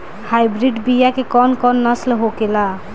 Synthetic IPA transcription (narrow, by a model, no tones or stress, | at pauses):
hajbɾiɖbijakekɔnkɔnːʌslɦokela